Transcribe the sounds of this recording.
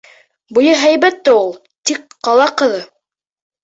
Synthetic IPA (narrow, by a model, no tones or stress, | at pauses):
bujɤɦæjbæt̪ːɘulˠ | t̪ikːɑlˠɑqɤ̆ðɤ